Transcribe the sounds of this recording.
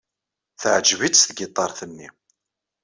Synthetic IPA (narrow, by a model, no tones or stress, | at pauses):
θəʕd͡ʒvit͡sːθɡɪt̪ˤːɑɾˤθənːḭ